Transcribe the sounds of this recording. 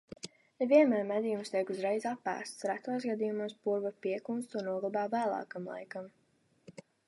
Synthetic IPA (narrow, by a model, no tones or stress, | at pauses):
nɛvʲiɛnmæːɾmɛd̪ʲijumst̪iɛkuzɾɛjzapːæ̰ːst̪sɾæt̪uːsɡad̪ijumuɔspuɾvapiɛkunst̪unnuɔɡlˠbaːvæːlˠɑ̰ːkamlˠa̰jkam